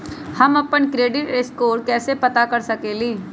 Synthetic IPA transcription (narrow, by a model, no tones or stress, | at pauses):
hɐmɐpənkɾeːɖɪʈeskoːɾkɛːsepɐt̪akɐɾsɐkeːliː